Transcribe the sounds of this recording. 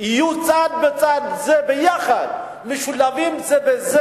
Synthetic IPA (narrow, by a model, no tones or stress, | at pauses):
ijut͡sad̪̚bet͡sad̪zebejaχad̪ | meʃulavimzebeze